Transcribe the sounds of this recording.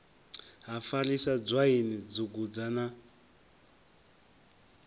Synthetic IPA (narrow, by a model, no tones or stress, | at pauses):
ɦafalisad͡zʷwainid͡zuɡud͡zana